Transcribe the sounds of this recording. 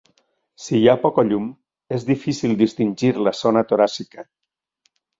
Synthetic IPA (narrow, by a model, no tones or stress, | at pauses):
sijapɔkaʎum | ezðifisilˠd̪ist̪inʲʒiɾlasonat̪oɾasika